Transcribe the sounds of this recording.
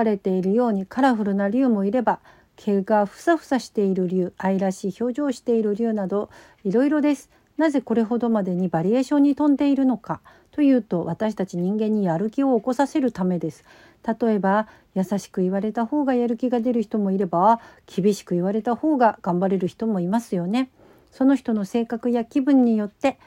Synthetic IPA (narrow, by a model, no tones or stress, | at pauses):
aɾe̞t̪e̞iɾɯ̟jo̞ːɲ̟ikʰaɾaɸɯ̟ɾɯ̟naɾʲɨɯ̟ːmo̞iɾe̞ba | kʰe̞ɡaɸɯ̟̥saɸɯ̟̥saɕi̥t̪e̞iɾɯ̟ɾʲɯːaiɾaɕiːço̞ːʑo̞ːɕi̥t̪e̞iɾɯ̟ɾʲɯ̟ːnad̪o̞ | iɾo̞iɾo̞d̪e̞sɨ̥ | naze̞ko̞ɾe̞ɦo̞d̪o̞mad̪e̞ɲ̟ibaɾʲie̞ːɕõ̞ɲ̟ːit̪õ̞nd̪e̞iɾɯ̟no̞ka | t̪o̞jɯ̟ːt̪o̞βat̪aɕi̥t̪at͡ɕiɲ̟ĩŋɡẽ̞ɲ̟ːijaɾɯ̟kʲio̞ːko̞sase̞ɾɯ̟t̪ame̞d̪e̞sɨ̥ | t̪at̪o̞e̞ba | jasaɕi̥kɯ̟iβaɾe̞t̪aho̞ːɡajaɾɯ̟kʲiɡad̪e̞ɾɯ̟çi̥t̪o̞mo̞iɾe̞bakʲibʲiɕi̥kɯ̟iβaɾe̞t̪aho̞ːɡaɡ̥ãmbaɾe̞ɾɯ̟çi̥t̪o̞mo̞imasɨjo̞ne̞ | so̞no̞çi̥t̪o̞no̞se̞ːkakɯ̟jakʲibɯ̟̃ɲ̟ːijo̞t̪ːe̞